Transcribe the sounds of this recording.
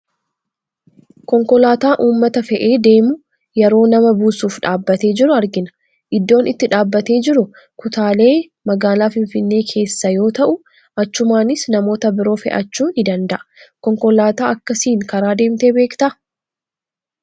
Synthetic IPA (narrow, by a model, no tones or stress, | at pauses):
kɔŋkɔlaːt̪aːʔuːmːɐt̪ɐfɛʔe̞ːd̪e̞ːmʊ | jɛɾo̞ːnɐmɐbuːsuːfᶑaːbːɐt̪e̞ːd͡ʒɪɾʊɐɾɡɪnɐ̥ | ʔɪd̪ːo̞ːnɪt̪ːɪᶑaːbːɐt̪e̞ːd͡ʒɪɾʊ | kʊt̪aːle̞ː | mɐɡaːlaːfɪnfɪnːe̞ːkʰe̞ːsːɐjo̞ːt̪ɐʔʊ | ʔɐt͡ʃːʊmaːnɪsnɐmo̞ːt̪ɐbɪɾo̞ːfɛ̰ʔɐt͡ʃːuːnɪd̪ɐnd̪ɐʔɐ̥kɔŋkɔlaːt̪aːʔɐkːɐsiːŋkɐɾaːd̪e̞ːmt̪e̞ːbe̞ːkt̪ɐʔɐ